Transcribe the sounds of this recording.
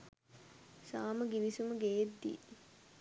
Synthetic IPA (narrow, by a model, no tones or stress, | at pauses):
saːməɡiʋisuməɡejet̪ːḭː